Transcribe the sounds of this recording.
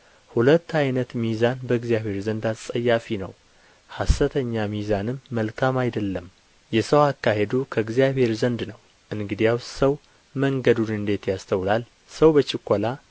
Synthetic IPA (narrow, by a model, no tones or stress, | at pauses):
hulət̪ːajnət̪mizanbəɨɡzijaβhe̞ɾzənd̪asʼəjːafinə̰w | hasːət̪ʰəɲːamizanɨmːəlkʰamajd̪əlːəm | jɛsəwakːahe̞d̪ukʰəɨɡzjaβe̞ɾzənd̪nəw | ʔɨnɡɨd̪ijawsəw | məŋɡəd̪ud̪ɨnd̪e̞t̪jast̪ʰəwlal | səwbət͡ʃɪkʰʷːola